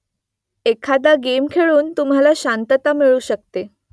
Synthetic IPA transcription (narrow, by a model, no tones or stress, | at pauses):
ekʰad̪aɡemkʰeɭuːnt̪um̤alaɕant̪ət̪amiɭuːɕək̚t̪e